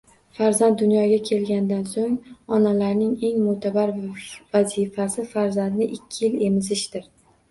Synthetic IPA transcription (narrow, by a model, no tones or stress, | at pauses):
faɾzand̪̚ːʊnjɒɡʲakʲʰe̞lɡʲand̪ansoŋɒnalaɾnɪŋe̞ŋmʊt̪ʰabaɾvazifasɪfaɾzand̪nɪʔɪkʲʰːɪjɪle̞mɪzɪʃd̪ɪɾ